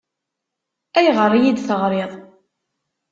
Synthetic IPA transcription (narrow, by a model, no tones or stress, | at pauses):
æjʁəɾˤːjid̪θəʁɾeðˤ